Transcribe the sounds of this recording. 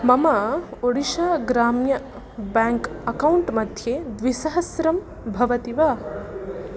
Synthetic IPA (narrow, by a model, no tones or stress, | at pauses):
mɐmaːoɽiʃaːɡɾaːmjɐ | baːŋkɐkɐwuɳʈmɐd̪ʱjeːd̪ʋisɐɦɐsɾɐm | bʱɐʋɐt̪iʋaː